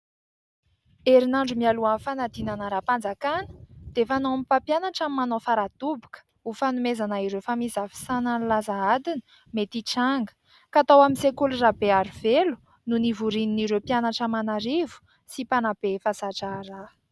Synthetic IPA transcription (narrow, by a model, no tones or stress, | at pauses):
eɾinaɳɖ͡ʐumialuanfanad̪inanəɾapand͡zakanə̥d̪̥efanomipapjanaʈ͡ʂamimanofaɾad̪ubakə̥ | ufanumezanaiɾewfamizavi̥sananlazaad̪inə̥ | met̪iʈ͡ʂaŋɡə̥ | kat̪awaminsekulurabeaɾuvelu̥ | nunivuɾininiɾepianaʈ͡ʂamanaɾivu̥ | sipanab̥efazaʈ͡ʂara